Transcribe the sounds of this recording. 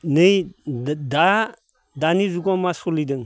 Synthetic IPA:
nij | da | danizukomasulidəŋ

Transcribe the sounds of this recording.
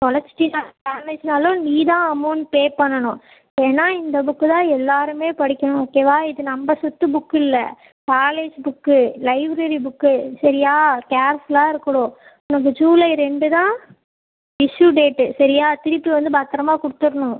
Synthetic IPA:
t̪ɔɭɐsɪ̥ʈːinaːlkaːɾnet͡ʃnaːlõniːðãːɐmɐːnpeːpːɐɳːɐɳʊ̃ | eːnːaːɪnd̪ɐbʊkːɯt̪ãːɛlːaːɾɯmeːpɐɽɪkʲːɐɳʊ̃oːkːeːʋaːɪðɯnɐmbɐsʊt̪ːɯbʊkːɪlːɐ̰ | kaːleːd͡ʒbʊkːɯlɐɪbɾɐɾibʊkːɯsɐɾɪjaːkaːɾslãːɪɾɯkːɐɽʊ̃ | ʊnɐk̬ːɯd͡ʒuːlɐɪɾɛɳɖɯt̪ãː | ɪʂjuɖeːʈːɯsɐɾɪjaːt̪ɪɾɪpːiʋɐnd̪ɯbaːt̪ːɪɾɐmaːkʊɽɯt̪ːɯɾɐɳʊ̃

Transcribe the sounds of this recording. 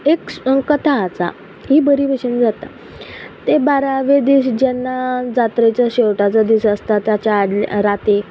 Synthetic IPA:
ekkət̪ʰaːt͡sa̰ | ɦiːbəɾiːbʱeɕənd͡zat̪a̰ | t̪ebaɾaʋed̪iːɕd͡ʑɛnːad͡zat̪ɾet͡ɕjaɕewʈat͡sad̪iɕəst̪at̪jat͡ɕaːɽl̰ɾat̪e

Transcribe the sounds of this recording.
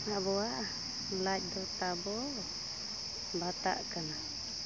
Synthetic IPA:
haʔbɔaʔ | məlac̚d̪ɔt̪abɔ | bat̪a̰ʔkana

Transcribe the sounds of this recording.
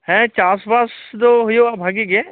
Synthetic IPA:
hɛ̃t͡ʃaːsbaːsd̪oɦʊjoabʱaːɡeɡe

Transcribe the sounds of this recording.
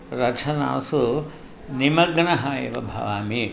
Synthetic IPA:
ɾɐt͡ʃʰɐna̰ːsu | nimɐɡɳɐɦɐjɐ̰ʋɐ̰bʱɐ̰ʋaːmi

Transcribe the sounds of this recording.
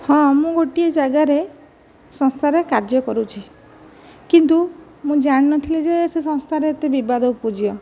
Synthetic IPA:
hɔ̃mũɡoʈied͡ʒaɡaɾe | sɔŋst̪ʰaɾekaɾd͡ʒɔkɔɾut͡ʃʰi | kint̪u | mũd͡ʒaɽ̃inɔt̪ʰilid͡ʒesesɔ̃ŋst̪ʰaɾeːt̪ebibad̪ʱɔupɔd͡ʒiɔ

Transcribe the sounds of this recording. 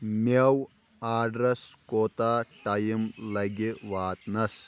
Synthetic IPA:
mɐw | aːɖɾɐskoːt̪aːʈɐjimlɐɡiʋaːt̪nɐs

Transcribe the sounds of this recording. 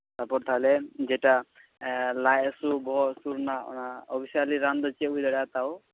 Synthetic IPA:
t̪apɔɾt̪ʰalɛd͡ʒɛta | lajasubɔɦɔsuɾnaɔ̰naɔbʰisaliɾand̪ɔt͡ʃiɛujdɔɾat̪aw

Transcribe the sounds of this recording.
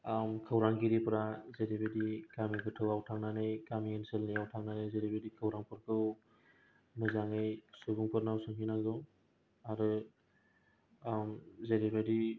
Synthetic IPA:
mkʰɯwɾaŋɡiɾipʰɯɾazeɾibedikamiɡɯtʰɯwawtʰaŋnanɯjkamienselnijawtʰaŋnanɯjzeɾibedikʰɯwɾaŋpʰɯɾkʰɯw | mɯzaŋɯjsubuŋpʰɯɾnawsɯŋɦinaɡɔ | aɾɯ | mzeɾibedi

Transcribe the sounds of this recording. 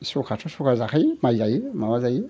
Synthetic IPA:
sukatusukazakaimaajimawazaji

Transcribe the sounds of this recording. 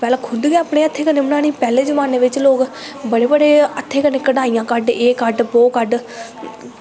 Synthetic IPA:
pɛːlãːkʰʊd̪ɡeaːpɽ̃eːət̪ʰːeːkəneːmɽãːniːpɛːleːd͡ʒəmaːneːʋɪt͡ʃloːɡ | bəɽeːbəɽeːət̪ʰːeːkəneːkəɽaːijãːkəɖeːkəɖboːkəɖ

